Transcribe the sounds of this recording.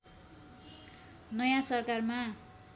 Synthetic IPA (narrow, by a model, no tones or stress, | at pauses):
nʌjãsʌrkarma